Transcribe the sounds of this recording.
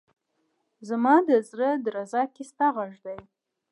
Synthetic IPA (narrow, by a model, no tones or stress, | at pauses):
zamɑd̪əzɾəd̪ɾazɑkest̪aɣaʐd̪aj